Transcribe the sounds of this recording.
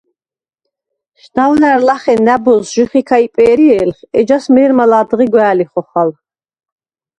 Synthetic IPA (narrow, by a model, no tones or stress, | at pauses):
ʃd̪awnaɾlaχɛnːabɔlsʒ̥uχikʰaipʼɛːɾiɛːlχɛd͡ʒasmɛːɾmalad̪ʁiɡwɛːliχɔχal